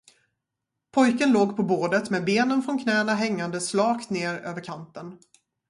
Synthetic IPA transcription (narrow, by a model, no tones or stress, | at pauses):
pʰɔjkənloːɡpʰɔboːɖət̪meːbeːnənfɾɔnkʰnɛːnaɦɛŋːand̪əslɑːkt̪neːɾøːvəɾkʰant̪ən